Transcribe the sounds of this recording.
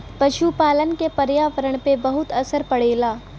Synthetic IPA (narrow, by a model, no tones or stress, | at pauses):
pɐʃupaːlənkepɐɾjaːʋəɾəɽ̃pebɐɦʊt̪ɐsəɾpɐɽeːlaː